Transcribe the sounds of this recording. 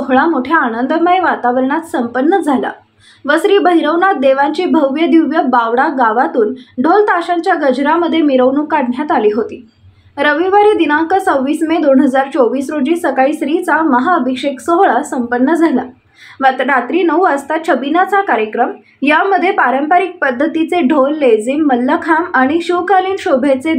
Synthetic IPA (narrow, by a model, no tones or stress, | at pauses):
oɦɭamoʈʰjaːnənd̪əməeʋat̪aʋəɾɳat̪səmpənːəd͡zʱala̰ | ʋəsɾiːbəɦiɾəʋnat̪̚d̪eʋaɲt͡ɕiːbʱəʋʋjəd̪uʋjəbaʋɽaɡaʋat̪uːnɖʱolt̪aɕãɲt͡ɕjaɡəd͡ʑʱɾaməd̪ʱːjemiɾəʋnukaɽɳjat̪aliːɦot̪iː | ɾəʋiʋəɾed̪inãŋkəsəwʋiːsmed̪onɦəd͡zaɾt͡soʋiːsɾod͡ʑisəkaɭiːsɾiːt͡saməɦaəbʱikʂeksoɦɭasəmpənːəd͡zʱala | ʋat̪ɾat̪ɾiːnəuəst̪at̪̚ɕʰəbinat͡sakaɾjəkɾəm | jaməd̪ʱːjepaɾəmpaɾik̚pəd̪ʱːət̪it͡seɖʱolːed͡ziːmːəlːəkʰamaɽ̃iɕuwkaliːnɕobʱet͡se